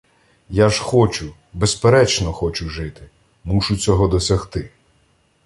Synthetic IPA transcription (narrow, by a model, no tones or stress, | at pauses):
jaʒxɔt͡ʃʊ | bespeɾɛt͡ʃnɔxɔt͡ʃʊʒɪt̪ɪ | muʃʊt͡sʲɔɦɔd̪ɔsʲɐxt̪ɪ